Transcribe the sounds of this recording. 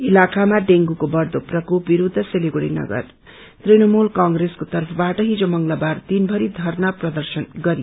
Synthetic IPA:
ilakamaɖeŋɡukobʌrd̪oprʌkup̚biɾud̪ʱːʌseliɡoɽḭnʌ̰ɡʌ̰r | t̪rinʌmulkaŋɡreskot̪ʌrpʰʌbaʈʌɦid͡zomʌŋlabart̪inbʱʌɾid̪ʱʌrnʌprʌd̪ʌrsʌnɡʌɾi

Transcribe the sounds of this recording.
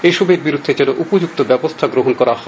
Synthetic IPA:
eʃɔbeɾbiɾud̪ʱːed͡ʑɛnoʔupod͡ʑuk̚t̪obɛbost̪ʰaɡɾoɦonkɔɾaɦɔ

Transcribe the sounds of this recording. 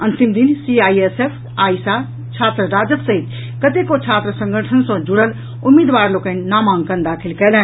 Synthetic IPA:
ənt̪imd̪insiajesepʰ | aːjsa | t͡ʃʰat̪ɾəɾad͡ʒəbsəɦit̪ | kət̪ekot͡ʃʰat̪ɾəsə̃ŋɡʱəʈʰənsə̃d͡ʒuɽəl | umːid̪ʋaɾlokə̃nnamãŋɡkənd̪akʰilkɛlɛ̃n

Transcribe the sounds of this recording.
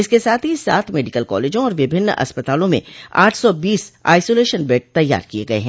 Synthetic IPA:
ɪskesaːt̪ʰɦisaːt̪ʰmeːɖɪkəlkɔ̰ːleːd͡ʒõɔːɾʋɪbʱɪnːɐ̰spət̪aːlõmḛ̃a̰ːʈʰsɔbiːsa̰ːɪsoːleːʃənbeːʈ̚t̪ɐjːa̰ːɾkieɡɐḛɦɛ̃ː

